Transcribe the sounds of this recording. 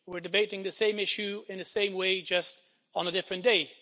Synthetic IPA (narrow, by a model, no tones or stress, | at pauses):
wɪɹdɨbeɪɾɪ̃ŋðɨsẽɪ̃mɪʃʉɨ̃nðɨsẽɪ̃mweɪd͡ʒʌst | n̩ədɪfɹɨ̃nd̥eɪ